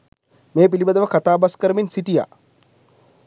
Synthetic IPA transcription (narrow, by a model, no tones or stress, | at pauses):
meːpilibəd̪əʋəkat̪aːbaskəɾəminsiʈija̰